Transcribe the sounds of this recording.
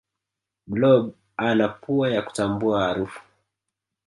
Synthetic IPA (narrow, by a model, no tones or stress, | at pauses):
blɔb | anapuajaku̥tambuahːɾufu̥